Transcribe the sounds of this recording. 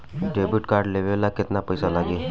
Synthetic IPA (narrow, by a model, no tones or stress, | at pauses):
ɖebuʈkaɾɖleʋelakɪt̪napəjsalaɡeː